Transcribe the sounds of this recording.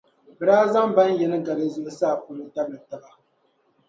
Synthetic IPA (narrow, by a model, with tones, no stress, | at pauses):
bɨ˨ɾaː˦za˦mba˦njɛ˨nɨ˦ɡa˨ɾe˦zʊ˦ʔʊ˦saː˦˨pu˨lɨ˦ta˦blɨ˨ta˨ba˨